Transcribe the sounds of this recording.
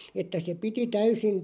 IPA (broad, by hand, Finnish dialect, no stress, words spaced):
etːæ se piti tæysin